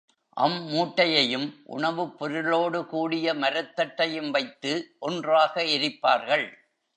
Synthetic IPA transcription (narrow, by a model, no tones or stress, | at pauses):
ʔɐ̰mːuːʈːɐjɐjɯmʔʊ̰ɳɐʋɯpːɔɾɯɭoːɽɯkuːɽɪjɐmɐɾɐt̪ːɐʈːɐjɯmʋɐɪt̪ːɯʔɔndraːɣɐɪɾɪpːaːɾɣɐɭ